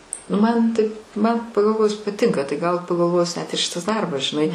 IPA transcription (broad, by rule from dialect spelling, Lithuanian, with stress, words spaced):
nʊ ˈmɐn tɐɪp mɐn pɐɡɐlˠˈʋoːjʊs pɐˈtʲɪŋkɐ tɐɪ ɡɐlˠ pɐɡɐlˠˈʋoːjʊs nʲɛt ɪr ˈʃʲɪtɐs ˈdɐrbɐs ʒʲɪˈnɐɪ